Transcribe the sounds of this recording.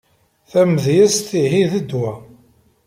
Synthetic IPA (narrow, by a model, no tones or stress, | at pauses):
θæməðjæst̪iɦiðəd̪wæ